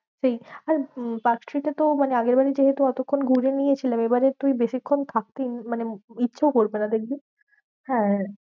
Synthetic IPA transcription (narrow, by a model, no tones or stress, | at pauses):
t͡ɕaiaɾpaksʈɾiʈat̪omaneaɡeɾbaɾed͡ʑeɦet̪uɛt̪okʰːonɡʱuɾenijet͡ɕʰilemebaɾet̪uibeʃikʰːont̪ʰak̚t̪inmaneitːɕʰakoɾbenad̪ekʰbi | hɛ̃